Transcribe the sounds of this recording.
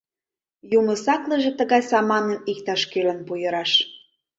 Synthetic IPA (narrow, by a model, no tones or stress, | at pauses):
jumə̆sɑkləʒĕt̪ə̆ɣɑjsɑmɑnənik̚t̪ɑʃkølə̆npujə̆ɾɑʃ